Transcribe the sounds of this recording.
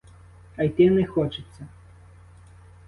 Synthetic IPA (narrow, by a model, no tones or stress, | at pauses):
ɐjt̪ʲɛnɛxɔt͡ʂɨt̪sːɐ